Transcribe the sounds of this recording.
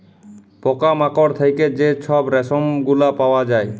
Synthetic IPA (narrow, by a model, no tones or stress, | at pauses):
pɔkamakɔɾt̪ʰejked͡ʑeʃʰɔbɾɛsomɡulapawad͡ʑae